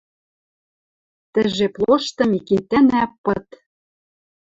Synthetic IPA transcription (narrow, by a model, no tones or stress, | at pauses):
t̪ɘ̆ʒeplˠoʃt̪ɤ̆miket̪ænæpːɤ̆t̪